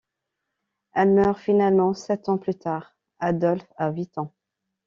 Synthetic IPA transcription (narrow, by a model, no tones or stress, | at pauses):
ɛlmœʁfinalmɑ̃sɛt̪ɑ̃plyt̪aʁ | ad̪ɔlfawɥit̪ɑ̃